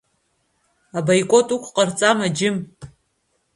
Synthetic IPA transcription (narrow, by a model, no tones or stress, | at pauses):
abajkʷʼo̞tʼukʷʰqʼart͡sʼamad͡ʒɪm